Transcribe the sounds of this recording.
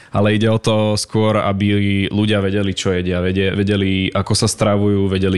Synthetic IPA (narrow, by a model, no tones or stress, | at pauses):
ʔa̰lɛiɟɛɔt̪ɔskʊɔɾa̰biluɟɪaʋɛɟɛlit͡ʃɔjɛɟɪaʋɛɟɛʋɛɟɛliʔakɔsast̪ɾaʋujuːʋɛɟɛli